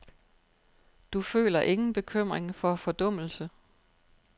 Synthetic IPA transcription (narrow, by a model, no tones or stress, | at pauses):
d̥ufø̰ːlɐʔe̝ŋn̩b̥e̝kʰøm̰ʁeŋfɒ̽fɒ̽d̥ɔ̽m̰l̩sə